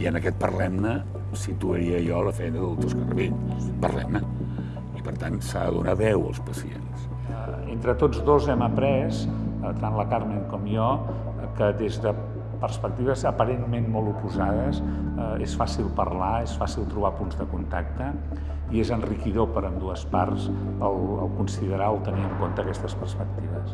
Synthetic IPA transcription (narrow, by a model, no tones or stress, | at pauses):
iənəkɛt̪̚pərlɛmnə | sit̪uəɾiəjɔləfɛjnəðəlˠt̪uskərə̰βinpərlɛ̰mnə | ipəɾt̪ansa̰ðə̰ðṵnaβɛwə̰lˠspəsiḛns | ent̪ɾət̪od͡zðozɛməpɾɛs | t̪anləkarmeŋkɔmjɔ | kəd̪ezðə | pərspək̚t̪iβəzəpəɾenmenmɔlˠupuzað̞əz | esfasilˠpə̰rlaesfasilˠt̪ɾuβapunzðəkunt̪ak̚t̪ə | iezənrikiðopəɾəmd̪uəsparz | əlˠə̰lˠkunsiðəɾaəlˠt̪əniəŋkont̪əːkɛst̪əspərspək̚t̪iβəs